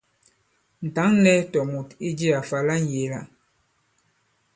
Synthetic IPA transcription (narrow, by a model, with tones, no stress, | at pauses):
n̩˨ta˨˦ŋnɛ˦tɔ˨mu˨ti˦d͡ʒi˦a˨fa˨la˦n˦˨je˨la̰˨